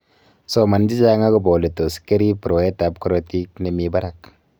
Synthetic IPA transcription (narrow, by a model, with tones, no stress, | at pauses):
so˦ma˨nd͡ʒi˦d͡ʒa˦ŋa˦ɡɔ˦bo˨li˨to˨ske˦ɾi˦pɾo˨e˦ta˨p̚kɾot̪i˦kni˨miba˦ɾak